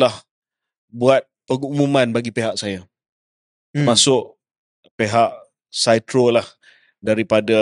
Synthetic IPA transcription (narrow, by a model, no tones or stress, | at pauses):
lah | buat̪̚pəŋumumãnbaɡipeɦaʔsaja | t̪masʊʔ | peɦaʔ | sajt̪ɾolah | daɾipada